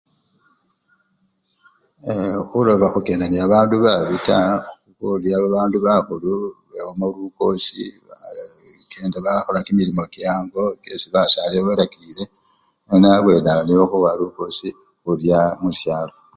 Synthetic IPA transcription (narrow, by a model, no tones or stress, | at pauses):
exulo̞βaxuke̞ːndaniaβaːnduβaβitaukuljaβaβaːnduβaxuluβewomoluko̞si | keːndaβaxolakimilimo̞kjaːŋɡo̞kesiβasaleβelakilile̞ | nenaβwe̞nanioxuβaluko̞si | xuljamusjaːlo